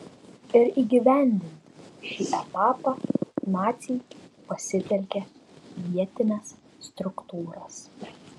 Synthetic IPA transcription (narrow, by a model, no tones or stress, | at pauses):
ɪɾiːɡʲɪʋʲæˑnʲd̪ʲɪnʲt̪ʲʃʲiːʔɛp̪ɑːpɐnɑːt̪sʲiːjpɐsʲɪt̪ʲɛlʲkʲɛʋʲiɛt̪ʲɪnʲɛsː | t̪ɾʊkt̪uːɾɐs